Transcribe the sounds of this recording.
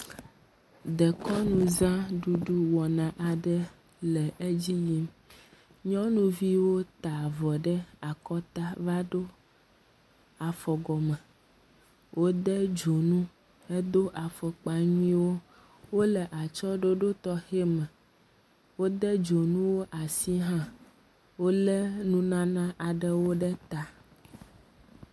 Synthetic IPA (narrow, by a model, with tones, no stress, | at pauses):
d̪ə˨kɔ˦nũ˨zã˦ɖu˨ɖu˦wɔ˨nã˨ʔa˨ɖə˦ | lɛ˨ʔe˦d͡ʑi˦ji˦m | ɲɔ̃˦nũ˨vi˦wo˦t̪a˨vɔ˨ɖə˦a˨kɔ˦t̪a˦va˦ɖo˦ | a˨fɔ˨ɡɔ˨mɛ˨ | wʔo˦d̪ɛ˦d͡ʒo˨nũ˦ | e˦d̪o˦ʔa˨fɔ˨k͡pa˨ɲĩ˦wo˦ | wo˦lə˨ʔa˨t͡ʃɔ˦ɖo˦ɖo˦t̪ɔ˦xe˦mɛ̃˨ | wo˦d̪ɛ˦d͡ʒo˨nũ˦wo˦ʔa˨si˦ɦã˦ | wo˦lɛ˦nũ˦nã˦nã˦ʔa˨ɖə˦wo˦ɖɛ˦t̪a˨